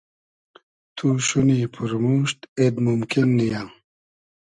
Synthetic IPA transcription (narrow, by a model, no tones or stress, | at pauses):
t̪ʰuʃuniːpʰuɾmuːɕt̪ed̪mumkinːijaŋ